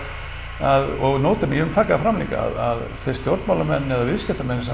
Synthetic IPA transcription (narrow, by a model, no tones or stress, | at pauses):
aðɔɣnoːwt̪ʏmjɛvʏmt̪ʰaːkaːfɾamlḭka̰a̰ða̰ð | θest̪jowɾt̪mawlamɛnːɛðavɪðscɛ̥t̪amɛnːɪsa